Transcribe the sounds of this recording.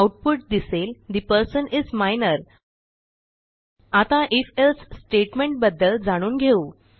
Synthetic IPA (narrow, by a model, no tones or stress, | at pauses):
wʈ̚puʈ̚d̪iseld̪ipəɾsənizmajnəɾ | at̪ãʔifelsːʈeʈmeɳʈ̚bəd̪ːəld͡zaɽ̃uːnɡʱeuː